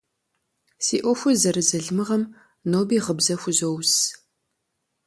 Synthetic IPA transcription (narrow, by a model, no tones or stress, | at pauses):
siːʔʷɔxʷʊzɐɾɨzɐɮmɨʁɐm | noːbiːʁəbzɐxʷʊzows